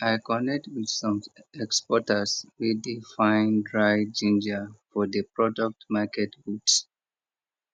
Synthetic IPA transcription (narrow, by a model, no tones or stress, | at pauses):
ajkɔnɛk̚twið̥sɔ̃mɛkspɔtəswidifãɪ̃ndɹajd͡ʒĩnd͡ʒəfɔðəpɹɔdɔk̚tmakɛtɡuts